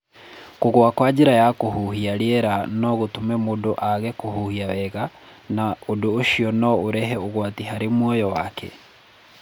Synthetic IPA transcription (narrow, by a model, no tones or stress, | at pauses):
koɣwakwad͡ʑeɾajakohuhiaɾeɛɾanɔɣotomɛmodoʔaɣɛkohuhiawɛɣa | naodoːʃiɔnɔoɾɛɦɛoɣwatiɦaɾemwɔjɔwakʰɛ̰